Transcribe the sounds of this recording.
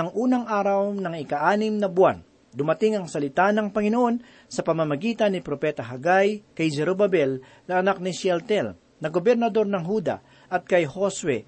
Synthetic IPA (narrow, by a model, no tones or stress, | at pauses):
ɐŋʔuːnɐŋʔaːɾɐwnɐŋɪkɐʔaːnɪmnɐbʊan | d̪ʊmɐt̪ɪŋɐŋsɐlɪt̪anɐŋpɐŋɪnoʔo̞n | sɐpɐmɐmɐɡiːt̪ɐnːɪpɾopɛːt̪ɐɦɐɡajkɐjd͡ʒɛɾobɐbɛl | nɐʔɐnak̚nɪʃɛlt̪ɛl | nɐɡobɛɾnɐd̪o̞ɾnɐŋɦuːd̪ɐ̰ | ʔɐt̪̚kɐjhoswɛ